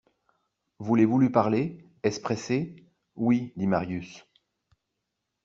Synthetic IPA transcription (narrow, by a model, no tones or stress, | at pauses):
vulevulypaʁle | ɛspχɛse | wid̪imaʁjys